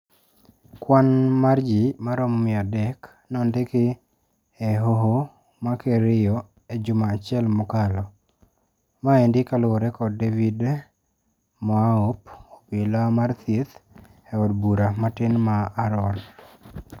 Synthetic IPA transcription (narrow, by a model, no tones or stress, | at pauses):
kwanmard͡ʒimaɾɔmɔmɪadɛk | nɔndɪkɪ | ɛɦoɦo | makeɾɪjɔ | ed͡ʒʊmaːt͡ʃɪɛlmʊkalɔ | maendɪkalwɔɾɛkɔddevid | mɔaopopɪlamart̪jet̪ | ɛɔdbuɾamatɪnmaːɾɔn